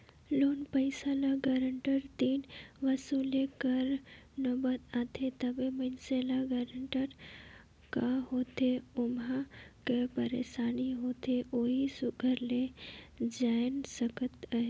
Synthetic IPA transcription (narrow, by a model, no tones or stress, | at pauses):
loːnpəɪsalaɡaɾəɳʈəɾt̪iːnʋɐsulekɐɾ | nobət̪aːt̪ʰet̪ɐbemənseːlaɡaːɾəɳʈəɾ | kaɦoːt̪ʰeʊmakepəɾḛːsaːniɦoːt̪ʰeʔoːɦisʊɡʱəɾle | d͡ʒaːɪnsəkət̪aɦe